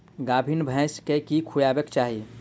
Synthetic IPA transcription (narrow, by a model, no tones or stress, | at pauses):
ɡaːbʱinbʱɛ̃skekikʰujaːbekt͡ʃaːɦi